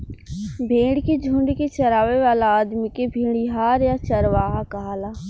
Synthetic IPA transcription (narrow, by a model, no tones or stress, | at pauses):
bʱeːɽked͡ʒʱũːɳɖket͡ʃɐɾaːʋeʋaːlaaːd̪mikebʱẽːɽiɦaːɾjat͡ʃɐɾʋaːɦakɐɦaːlaː